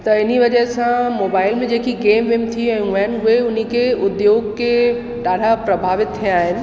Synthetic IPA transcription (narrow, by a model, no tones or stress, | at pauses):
t̪ɐɪniʋɐd͡ʑəɦsãmoːbaːɪlmẽd͡ʑeːkiɡeːmʋeːmt̪ʰiɛ̃ːɦʊaːɪnɦʊeʊn̤ikʰeʊd̪joːɡke | ɗaːɽ̤ʱapɾɐbʱaːʋɪt̪̚t̪ʰːijaːɦɪnɪ̆